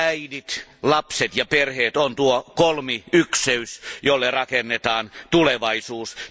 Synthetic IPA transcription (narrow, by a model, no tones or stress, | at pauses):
æidit̪lɑpset̪jɑperheːt̪ont̪uokolmiykseysjolːerɑkenːet̪ɑːnt̪uleʋɑisuːs